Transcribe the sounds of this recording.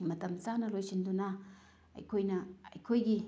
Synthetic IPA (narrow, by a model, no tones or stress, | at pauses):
mɐt̪ɐmt͡sanɐlojsinduna̰ː | jkʰojnɐɐ̰jkʰojɡi